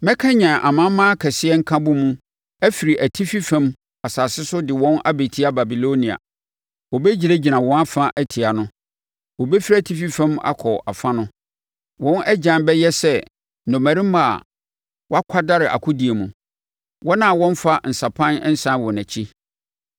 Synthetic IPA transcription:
mɛ̃˦kʰã˦ɲã˨ʔa̰˨mã˦mːãː˦kʰɛ˨sɪ˦ɛ˦ŋ̩˦kʰã˦bʊ˦mũ˦ | æ˦fi˨ɾi˨ʔæ˨tʰi˦fi˦fɛ̃˦m | a˨saː˨sɪ˦sʊ˦dɪ˨wɔ̃˦na̰˦be˨tʰi˦a˦ba˨bi˨lo˦nĩ˨a̰˨ | wɔ˨bɛ˦d͡ʑi˨ɾe˦d͡ʑi˨nã˨wɔ̃˨˦n˦a˦fã˦ʔæ˦tʰɪ˨a˨nʊ̃˦ | wɔ˨bɛ˦fi˦ɾa˦˨tʰi˦fi˦fɛ̃˦ma̰˦kʰɔ˨a˨fã˦nʊ̃˦ | wɔ̃˦nʔɛ˦d͡ʑã˨˦bɛ˦jɛ˦sɛ˦ | nɔ̃˨mæ˨ɾĩ˦mː˦a̰˦˨ | wɔ˦a˦kʷʰa˦da˦ɾɪ˨ʔa̰˨kʰʊ˦di˨e˨mũ˨ | wɔ˦nã˨wɔ̃˦n˦fa˦n̩˨sa˨pʰã˦nɛ˦n̩˦sã˦wɔ˨næ̃˨t͡ɕʰi˦

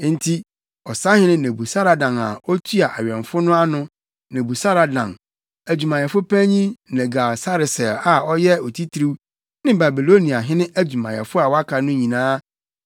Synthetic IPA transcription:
n̩˦tʰi˦ | ɔ˨sa˦hɪ̃˦nɪ̃˦nẽ˨bu˨sa˦ɾa˨dã˨na̰˨ɔ˦tʰu˦a˨ʔa˨ɥɛ̃˨ɱ˨fʊ˦nʊ̃˦a˦nʊ̃˦ | nẽ˨bu˨sa˦ɾa˨dã˨n | æ˨d͡ʑu˨mã˨jɛ˨fʊ˦pʰæ̃˦ɲĩ˦˨nɛ̃˨ɡa˨sa˦ɾɪ˨sɛ˨la˨ɔ˦jɛ˦ɔ˨tʰi˦tʰɾi˦w | nɪ̃˦ba˨bi˨lo˦nĩ˨a˨ɦɪ̃˦nɪ̃˦ʔæ˦d͡ʑᶣu˨mã˨jɛ̰˨fʊ˦a˨wa˦kʰa˨nʊ̃˦ɲĩ˨nãː˦

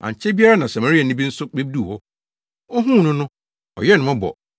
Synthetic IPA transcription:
a̰˨ɲ˨t͡ɕʰɛ˦bi˦a˦ɾa˦nã˨sa˨ma˨ɾi˦a˨nɪ̃˦bĩ˦n̩˦sʊ˦k͡pe˦b̚du˦˨hɔ˦ | ɔ˦ɦũ˦˨nʊ̃˦nʊ̃˦ | ɔ̰˨jɛ˦nʊ̃˨mʊ̃˦bɔ̰˨

